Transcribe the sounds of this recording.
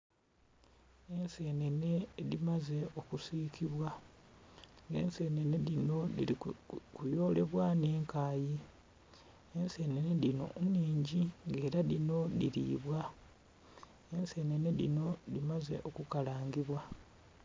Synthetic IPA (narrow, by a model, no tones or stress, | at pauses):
e̞nse̞ːne̞ne̞ðimaze̞o̞kusiːkʰiβwa | ŋɡe̞̰nse̞ːne̞ne̞ðino̞ikujo̞ːle̞βwane̞ːŋkaːji | e̞nse̞ːne̞ne̞ðino̞̰uniːɲɟiŋɡe̞ːɾaðino̞ðiɾḭːβwa | ense̞ːne̞ne̞ðḭno̞limaze̞̰ʔo̞kukalaːŋɡiβwa